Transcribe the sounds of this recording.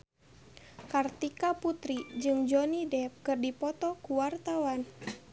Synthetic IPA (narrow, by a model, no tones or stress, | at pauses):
kart̪ikaput̪ɾid͡ʒɨŋd͡ʒɔnidɛp̚kɨrdipɔt̪ɔkuwart̪awan